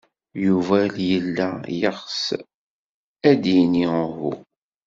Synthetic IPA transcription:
juvæljəlːæjəχs | æd̪inihṵ

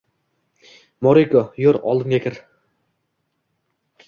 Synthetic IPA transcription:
moɾikojoɾɒ̰lˠd̪ɪmɡʲakʰʲɪɾ

